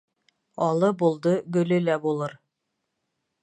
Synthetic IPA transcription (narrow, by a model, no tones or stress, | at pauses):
ɒlˠɤbulˠd̪ɤɡɵ̆lɵlæbulˠɤɾ